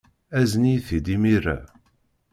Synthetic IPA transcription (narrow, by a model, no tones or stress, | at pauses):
æzniθid̪imiɾæ̰